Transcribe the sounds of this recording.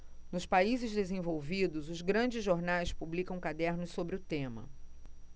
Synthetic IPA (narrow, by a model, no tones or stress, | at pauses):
nʊspaizɪzd̪ezẽvowvid̪ʊzʊzɡɾɐ̃d͡ʒɪzʒoɾnajspublikɐ̃w̃kad̪ɛɾnʊssobɾɪʊt̪ẽmɐ̰